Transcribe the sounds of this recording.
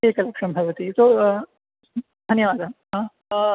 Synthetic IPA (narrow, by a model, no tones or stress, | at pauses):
ekɐlekʂənbʱɐʋət̪it̪o | ɦ̪ɐnjʋaːd̪aɦã